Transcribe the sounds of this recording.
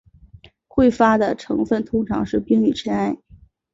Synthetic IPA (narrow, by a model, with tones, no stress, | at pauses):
xwe˥˩ɪfa˥d̪ə˨ʈ͡ʂʰɤ˧˥ŋfə˥˩nt̪ʰʊ˥ŋʈ͡ʂʰɑ˧˥ŋʂɻ̩˥˩pi˥ŋy˨˩t͡ɕʰɥɛ˥na˥˩ɪ